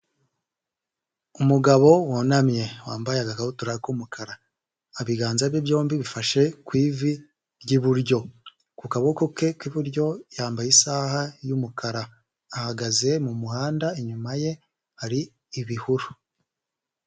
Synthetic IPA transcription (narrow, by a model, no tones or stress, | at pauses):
umuɡaβo̞wonamɲe̞waːmbajaɡakaβutuɾakumukʰaɾaː | βiɡaːnzabjibjo̞ːmbiβifaʃe̞kwiːvi | bɟiβuɾɟo̞ | kukaβokoke̞kwiβuɾɟo̞jaːmbajisahajumukʰaɾaː | haɡaze̞mumuhaːndaiɲumaje̞ | haɾiː | βihuɾu